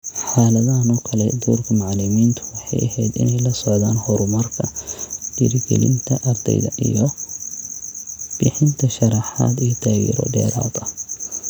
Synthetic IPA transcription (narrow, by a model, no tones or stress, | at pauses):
ħaːlɐðɐnɔːkʰɐlɛd̪uːrkʰɐmaʕlɪmiːnt̪ʰʊ̥wɑħɑjʔɐ̰ɦɛd̪ɪ̰nɛjlɐsɔʕðaːnhɔɾʊmɐrkʰɐd̪̥iɾɡɛ̰lɪ̰nt̪ʰɐʔɐrd̪ɛ̰jðɐ̰ʔijɔ | b̥ɪħɪnt̪ʰɐʃɐɾɑħa̰ːd̪ijɔt̪ʰaːjɛ̰ɾɔ̰ɖɛ̰ːɾa̰ːðɐ